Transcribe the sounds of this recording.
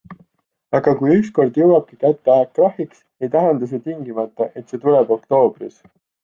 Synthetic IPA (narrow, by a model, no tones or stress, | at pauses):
ɑɡ̥ɑkujyksko̞rd̪jɤwɑb̥̚kikæt̪ːeæekːrɑhiks | e̞jt̪æɦend̪us̬et̪iŋɡimɑt̪ːˑɑʔe̞t̪ˑse̞t̪ulɛbo̞kt̪o̞ːb̥ris